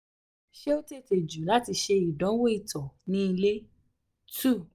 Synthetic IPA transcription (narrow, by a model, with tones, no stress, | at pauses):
ʃe˦o˦te˦˨te˨d͡ʒu˨˦la˨˦ti˧ʃe˧i˨dɔ̃˨˦wo˦i˦˨tɔ˨nĩ˦i˧le˦ | tu˦˨